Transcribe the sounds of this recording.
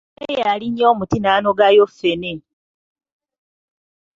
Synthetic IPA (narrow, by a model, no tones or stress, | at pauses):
ejjaliɲːeomutinaːnoɡajofːene